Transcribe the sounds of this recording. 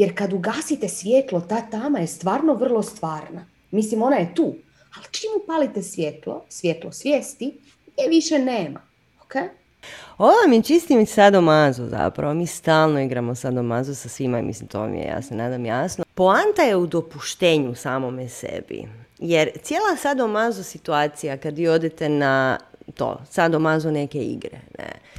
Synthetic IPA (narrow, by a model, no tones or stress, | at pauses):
jeɾkad̪uɡaːsit̪esʋʲjeːt̪lot̪aːt̪aːmajest̪ʋaːɾnoʋr̩lˠo̞st̪ʋaːɾna | mislimo̞najet̪uː | alt͡ʃimupaːlit̪esʋʲjet̪lo̰sʋjet̪losʋjeːst̪i | ɡjeʋiʃeneːma̰ | okej | oʋamjet͡ʃist̪imsad̪omazuza̰pɾa̰ʋomiːst̪aːlˠnoiɡɾamosad̪omazusasʋimaḭmʔḭslimt̪o̰mḭjḛja̰ːsenaːd̪amjasnopoant̪ajeud̪o̞puʃt̪eːɲusaːmomesḛbḭjeɾt̪sjelˠasad̪omazusit̪uaːt̪sijakad̪ʋiːo̞d̪et̪e̞nat̪o̰ːsad̪omazune̞keḭɡɾḛnḛ